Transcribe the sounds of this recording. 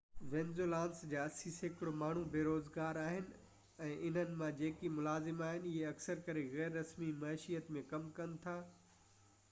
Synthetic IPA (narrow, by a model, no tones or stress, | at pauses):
ʋẽːnzolãːnsd͡ʑaːɐsisekɪɽomaːɳ̤ubeːɾoːzɡaːɾaːɦɪnɪ̆ | ɛ̃ːʔɪn̤ənɪ̆mãd͡ʑeːkimʊlaːzɪmaːɦɪnɪɪɦeɐksəɾkɐɾeɣɛːɾːɐsmimɐːʃijət̪mẽkɐmkɐnɪ̆t̪ʰaː